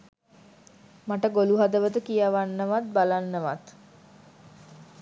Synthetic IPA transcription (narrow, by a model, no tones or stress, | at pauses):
maʈəɡoluɦad̪əʋət̪əkijaʋanːəʋat̪̚balanːəʋat̪